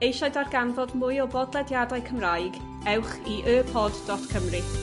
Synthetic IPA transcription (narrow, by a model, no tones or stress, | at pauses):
ejʃɔɨdarɡanvɔdmʊjɔbɔdlˠɛdjadajkʰəmrajɡ | ɛwχiʔøːpʰɔdd̥ɔtkʰəmrɨ